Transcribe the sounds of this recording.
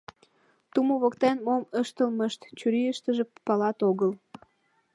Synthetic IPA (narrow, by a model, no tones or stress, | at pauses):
t̪umoβokt̪enmoməʃt̪əlməʃt̪t͡ɕyɾiəʃt̪əʒĕppɑlɑt̪oɣəl